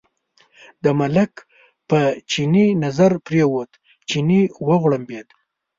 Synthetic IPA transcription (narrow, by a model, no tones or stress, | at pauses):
d̪əmalak | pət͡ʃininazaɾpɾewot̪ | t͡ʃiniwəɣɽəmbed̪